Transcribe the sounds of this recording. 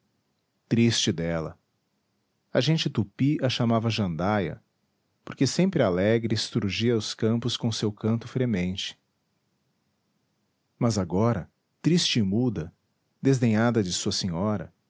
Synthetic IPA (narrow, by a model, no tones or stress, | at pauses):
t̪ɾist͡ʃɪd̪ɛlɐ̰ | ɐʒẽnt͡ʃɪt̪upiʔɐʃamavɐʒɐ̃nd̪ajɐ̰ | poɾkesẽmpɾɪalɛɡɾɪst̪uɾʒiɐʊskɐ̃mpʊskõʊsewkɐ̃nt̪ʊfɾemẽnt͡ʃɪ̥ | mɐzaɡɔɾɐ | t̪ɾist͡ʃɪːmud̪ɐ | d̪ezd̪ẽɲad̪ɐd͡ʒɪsuɐsẽɲɔɾɐ̰